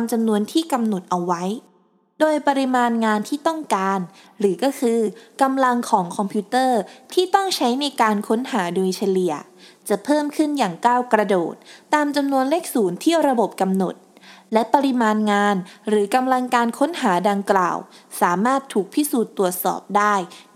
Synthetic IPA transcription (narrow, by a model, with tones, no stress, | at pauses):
aː˧mt͡ɕa˧mnu˧ənt̪ʰiː˥˩ka˧mno˨˩t̪̚ʔa˧wːa˦˥j | doː˧jpa˧ɾi˧maː˧nŋaː˧nt̪ʰiː˥˩t̪ɔ˥˩ŋkaː˧n | ɾɯː˩˦kɔː˥˩kʰɯː˧ka˧mla˧ŋkʰɔː˩˦ŋkʰɔ˧mpʰuː˦˥t̪ɤː˥˩t̪ʰiː˥˩t̪ɔ˥˩ŋt͡ɕʰa˦˥jna˧jkaː˧nkʰo˦˥nɦaː˩˦duː˧jt͡ɕʰa˧li˨˩ə | t͡ɕa˨˩ʔpʰɤː˥˩mkʰɯ˥˩njaː˨˩ŋkaː˥˩wkɾa˧doː˨˩t̪̚ːaː˧mt͡ɕa˧mnu˧ənleː˥˩k̚suː˩˦nt̪ʰi˥˩əwɾa˧bo˨˩p̚ka˧mno˨˩t̪̚ | lɛ˦˥pa˧ɾi˧maː˧nŋaː˧nɾɯː˩˦ka˧mla˧ŋkaː˧nkʰo˦˥nɦaː˩˦da˧ŋkla̰ː˨˩wsaː˩˦maː˥˩t̪ʰːuː˨˩k̚pʰi˦˥˩suː˨˩t̪ːu˨˩ət̪̚sɔ̰ː˨˩p̚daː˥˩j